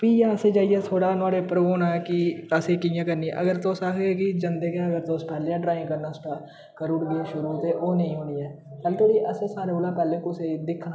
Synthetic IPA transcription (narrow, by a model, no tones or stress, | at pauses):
piːjaːəsed͡ʒaːiɛt̪ʰoːɽaːnaːɽepəɾʋoːnakiəseːkijãːkəɾniːɛ̰̃ʔə̰ɡəɾt̪oːsaːkeːkid͡ʒə̃nd̪ekaəɡəɾt̪oːspɛːleãɖɾaːɪ̃ŋɡkəɾnaːsʈaː | kəɾʊʈɡəaːʃʊɾuoːt̪eːʔoːnəɦĩɦoːniːɛː | kəlt̪ʰoːɽiʔəseːsaːɾeolãːpɛːlẽkosed̪ɪkʰːna